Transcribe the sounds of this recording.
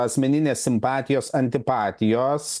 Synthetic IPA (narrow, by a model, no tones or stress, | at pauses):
ɐsʲmʲɛnʲɪnʲeːsʲsʲɪmpɑːt̪ʲɪjoːsɐnʲt̪ʲɪpɑːt̪ʲɪjoːs